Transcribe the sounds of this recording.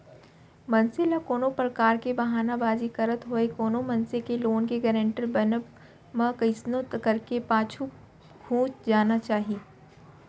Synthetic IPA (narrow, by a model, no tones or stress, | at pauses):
mɐ̃nselakoːnopɾɐkaːɾkebɐɦaːnabaːzikɐɾət̪ɦoekoːnomɐ̃nsekeloːnkeɡəɾẽɳʈəlbɐnəb | mɐ̃kɐɪsnõt̪kɐɾkepãːt͡ʃʰu | ɡʰʱũːt͡ʃd͡ʒaːnat͡ʃaːɦieː